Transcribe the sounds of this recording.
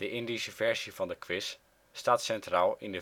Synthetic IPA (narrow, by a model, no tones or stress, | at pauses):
d̥əʔɪndisəvɛɹzivɑndəkʋɪsː | taːtsɛntraːlˠɪndə